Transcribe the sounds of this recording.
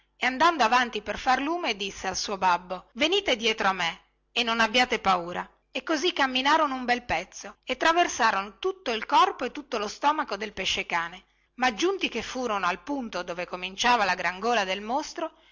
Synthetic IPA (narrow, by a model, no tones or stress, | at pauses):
eand̪and̪oavant̪iperfarluːmed̪isːealsuːobabːoveniːt̪ed̪jɛːt̪ɾoamːe | enːonabːjaːt̪epauːɾa | ekːozikːamːinaːɾonoumbɛlpɛt̪sːoet̪ːɾaversaːɾonot̪ut̪ːoilkɔrpoet̪ːut̪ːolost̪ɔːmakod̪elpeʃːekaːne | mad͡ʒːunt̪ikefːuːɾonoalpunt̪od̪oːvekomint͡ʃaːvalaɡɾaŋɡoːlad̪elmost̪ɾo